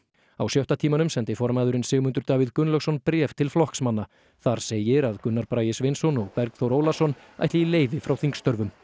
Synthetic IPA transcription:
awsjœht̪at̪ʰiːmanʏmsɛnt̪ɪifɔɾmaːjðʏɾɪnsɪːɣʏmʏnt̪ʏɾt̪aːviðkʏnlœɣsɔnpɾɛːft̪ʰɪlflɔhksmanːa | θaɾ̥seːjɪɾaðkʏnːaɾpɾaːjɪsvɪnsɔnɔɣpɛɾkθowɾoːwlasɔn | a̰jht̪lɪileːjvɪfɾawθiŋkst̪œɾvʏm

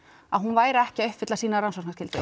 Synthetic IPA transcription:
a̰ɦunvaːjɾɪɛhcɪaœʏhpfɪt̪asiːnaɾansɔknascɪlt̪ɪ̰

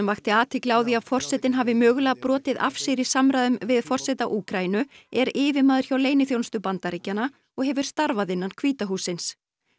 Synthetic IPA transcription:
ʏmvaxt̪ɪaːt̪ʰɪklɪaːwðiaðfɔr̥sɛt̪ɪnɦaːvɪmœːɣʏlɛɣpɾɔːt̪ɪða̰fsɪɾi̥samɾajðʏmvɪðfɔr̥sɛt̪aʔuːkɾajinʏɛɾɪːvɪmaːðʏɾ̥çawlejnɪθjowlnst̪ʏpant̪aɾiːcːana | ɔɣɦɛvʏɾ̥st̪aɾvaðɪnːankʰv̥iːt̪aɦuːsːɪns

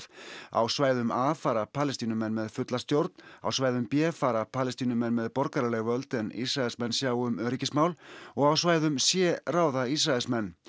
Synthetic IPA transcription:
a̰wsvaːjðʏmafaːɾapʰaːlɛst̪iːnʏmɛnːmɛðfʏt̪last̪jowɾt̪na̰wsvaːjðʏmpjɛːfaːɾapʰaːlɛst̪iːnʏmɛnːmɛðpɔɾkaɾalɛɣvœlt̪ɛnḭsɾaɛlsmɛnsjaːwʏmœɾicɪsmaːwlɔɣawsvaːjðʏmsjɛːraːwðais̬ɾaɛlsmɛnː

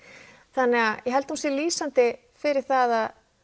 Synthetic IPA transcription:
θanːɛɣajɛɦɛlt̪humsɛliːsant̪ɪ | fɪɾɪɾ̥θaðað

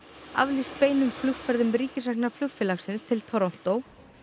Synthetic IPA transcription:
a̰vlist̪̚peːjnʏmflʏxfɛɾðʏmɾiːcɪsaknaɾflʏxfɪlaxsɪnst̪ʰɪlt̪ʰɔɾɔm̥t̪ow

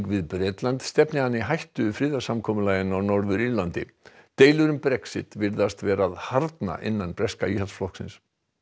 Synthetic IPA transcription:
kvɪðpɾɛːt̪lant̪st̪ɛpnɪanːɪɦajht̪ʏfɾɪːðasamkʰɔːmʏlaːjɪnawnɔɾðʏɾiɾlant̪ɪt̪eːjlʏɾʏmpɾɛksɪ̰t̪vɪɾðast̪vɛːɾaðhaɾt̪na̰ʔɪ̰nːanpɾɛskaiːhalsflɔhksɪ̰ns

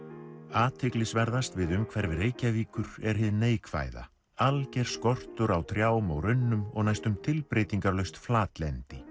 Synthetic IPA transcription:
aːt̪ʰɪklɪsvɛɾðast̪vɪðʏmkʰvɛɾvɪɾeːjcaviːkʏɾɛɾ̥ɦɪðnːeːjkʰva̰ːjða̰ | alcɛɾ̥skɔr̥t̪ʏɾawt̪ʰɾjaːwʏmɔɣɾʏnːʏmɔɣnajst̪ʏmt̪ʰɪlpɾeːjt̪iŋkaɾlœɥst̪flaːt̪lɛnt̪ɪ

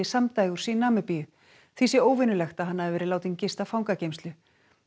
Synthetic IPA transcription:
ɪsamt̪aːjɣuɾ̥sinaːmɪpiʏ | θvisjɛoːwvɪnʏlɛxt̪aɦanːaɛɾvɛːɾɪlaːwt̪iŋcɪst̪afawŋkacejmst̪lʏ

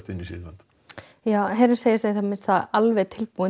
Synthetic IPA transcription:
t̪ɪnːisɪ̰la̰nt̪ | jaːwɦeːjɾɪseːjɪsθeθamɪsθaalvɛt̪ʰɪlpuːɪ

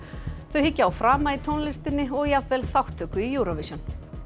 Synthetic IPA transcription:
θœɥhicːaawfɾaːmait̪ʰownlɪst̪ɪnːɪɔɣjavvɛːlθawht̪ʰːœːkʏijuːɾavisjan

